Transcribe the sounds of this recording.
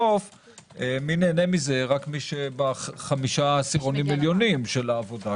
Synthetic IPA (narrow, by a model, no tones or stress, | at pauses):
of | emineːnemize̞ʁakmiʃebaχamiʃasiʁonimiljo̞nimʃelaːvo̞da